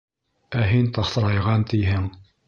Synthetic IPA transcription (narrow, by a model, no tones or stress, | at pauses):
æɦint̪ɑχθt̪ɤ̆ɾɑjʁɑnt̪ɘjɦɘŋ